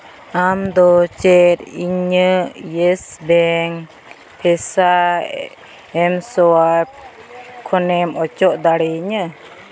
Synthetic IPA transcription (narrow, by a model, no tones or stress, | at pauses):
amd̪ɔt͡ʃɛɾiɲəjɛsbɛŋ | pʰɛsa | ɛmsɔa | kʰɔnɛmɔt͡ʃɔʔd̪aɽɛɲə